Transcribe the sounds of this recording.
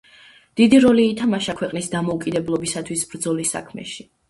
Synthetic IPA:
d̪̥id̪iɾɔliːt̪ʰamaʃakʰwɛqʼnisd̪amɔukʼid̪ɛblˠɔbisat̪ʰwisb̥ɾd̪zɔlisa̰kʰmɛ̰ʃi

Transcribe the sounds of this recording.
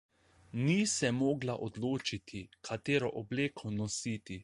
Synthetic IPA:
nisɛmoːɡlaʔod̪loːt͡ʃit̪ʰikʰat̪eːɾɔʔɔbleːkʰonɔsiːt̪i

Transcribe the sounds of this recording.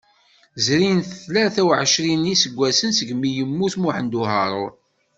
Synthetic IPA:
zɾinθθlæɾθæwʕəʃɾinːisəɡʷːæsənsəɡmijəmːuθmʊħənd̪uɦɑɾˤʊɾ

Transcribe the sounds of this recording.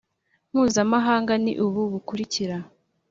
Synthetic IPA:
m̥huːzamaɦaːŋɡanḭʔuβuβukuɾiciɾa

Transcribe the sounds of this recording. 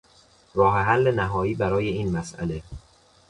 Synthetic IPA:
ɾɒːɦeɦælːe̞næɦɒːiːbæɾɒːje̞iːnmæsæ̰le̞

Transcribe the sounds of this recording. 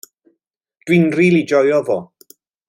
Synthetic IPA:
d̥wɪnriːlid͡ʒɔjɔvoː

